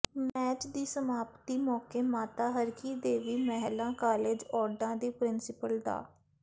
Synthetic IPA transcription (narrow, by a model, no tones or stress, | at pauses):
mɛːt͡ʃd̪iːsəmaːpt̪iːmɔːkeːmaːt̪aːɦəɾkiːd̪eːʋiːmɛɦlãːkaːleːd͡ʒɔːɾɖãːd̪iːpɾɪnsɪpəld̪a̰ː